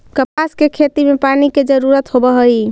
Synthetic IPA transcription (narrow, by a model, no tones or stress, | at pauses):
kəpaskekʰet̪imepaniked͡ʒəɾuɾət̪ɦobəɦəi